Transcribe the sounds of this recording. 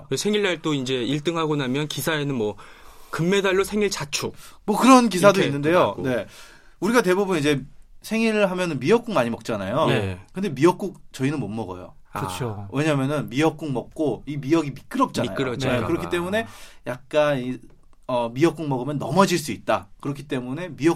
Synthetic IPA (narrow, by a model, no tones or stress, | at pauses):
sʰeŋiɭːaɭt͈oind͡ʑe̞iɭt͈ɯŋɦaɡonamjʌnkisʰaenɯnmwʌ | kɯmːe̞daɭːosʰe̞ŋiɭt͡ɕat͡ɕʰumwʌkɯɾʌnk̬isʰadoinːɯnde̞jone̞ | uɾiɡatebubɯnid͡ʑe̞sʰe̞ŋiɾɦamjʌnɯnmijʌk̚k͈uŋmaɲimʌk̚t͡ɕ͈anajokɯnde̞mijʌk̚k͈uk̚t͡ɕʌinɯnmomːʌɡʌ̰jo̰ | ɯt͡ɕʰowʔe̞ɲamjʌnɯnmijʌk̚k͈uŋmʌk̚k͈oimijʌɡimik͈ɯɾʌp̚t͡ɕ͈anajonekɯɾʌkʰit͈e̞mune̞jak̚k͈ani | ʌmijʌk͈uŋmʌɡɯmjʌnːʌmʌd͡ʑiɭs͈uit̚t͈akɯɾʌkʰi̥t͈e̞mune̞miʌ